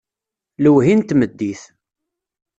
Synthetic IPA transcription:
ləwɦint̪məd̪ːiθ

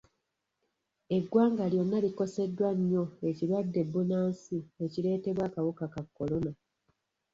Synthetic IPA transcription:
e̞ɡwaːŋɡaljo̞nːaliko̞se̞dːwaɲːo̞e̞ciɾwadːe̞bːunaːnsieciɾe̞ːte̞βwaːkawukakakːo̞lo̞na

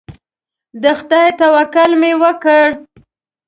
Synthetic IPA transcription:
d̪əxt̪ajt̪awakʊlmewəkəɽ

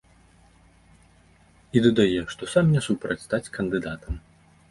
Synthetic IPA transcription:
id̪ɐd̪ajɛʂt̪ɔsamnʲɛsupɾɐt͡sʲst̪at͡sʲkɐnd̪ɨd̪at̪ɐm

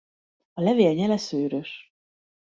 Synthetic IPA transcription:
ɒlɛveːlɲɛlɛsøːɾøʃ

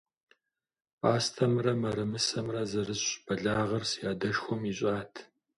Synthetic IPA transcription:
pʼaːstʰɐmrɐmɐɾɨmɨsɐmrɐzɨrɨɕb̥ɐɮaːʁɐrsjaːdɐʃxʷɔmiɕʼaːtʰ

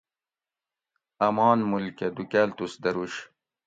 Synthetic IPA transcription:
ɐmɑːnmulkʲɐd̪ukalt̪usd̪ɐɾuɕ

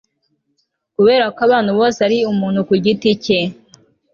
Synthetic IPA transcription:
kuβe̞ːɾakoaβaːn̤huβo̞ːseaɾiumuːn̥hukuɟitice

